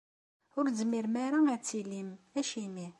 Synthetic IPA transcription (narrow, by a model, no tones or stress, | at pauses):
ʊɾzmiɾmaɾaæt͡sːilimæʃimi